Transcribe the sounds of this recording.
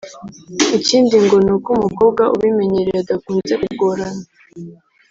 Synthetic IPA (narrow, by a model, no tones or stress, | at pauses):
iciːndiŋɡo̞nukumuko̞bɡwaʔṵβime̞ɲeɾeedakuːnzekuɡoːɾana